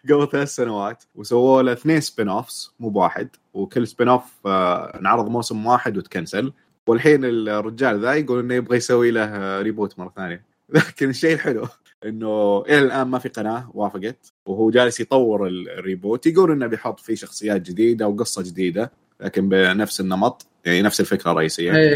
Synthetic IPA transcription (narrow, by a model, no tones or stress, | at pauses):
ɡablθalaːθsanawaːt̪wsawːoːlaθneːnspinoːfsmuːbwaːħɪ̰d̪ | wkʊlːspinoːf | nʕɑɾɨðˤmoːsɪmwaːħɪd̪wɪt̪kansal | wɪlħiːnɪlrːɪd͡ʒaːlðaːjɡuːlʔɪnːajɪbɣajsawːiːlahɾiːbuːt̪mɑrˤːɑθaːnja | laːkɪnɪʃːejːɪlħɪlu | ʔɪnːuʔɪlalʔaːnmafiqɑnaːwaːfɪɡɑt̪ | wɦuːd͡ʒaːlɪsjt̪ˤɑwːɪɾɪlɪrːiːbuːt̪jɡuːlʔɪnːabɪjħʊt̪ˤːfiʃɑxsˤɨjːaːt̪̚d͡ʒɪd̪iːd̪awɡɨsˤːɑd͡ʒɪd̪iːd̪a | laːkɪnbɪnafsɪnːɑmɑt̪ˤ | jaʕninafsɪlfɪkɾɑrˤːɑ̰ʔiːsɪjːa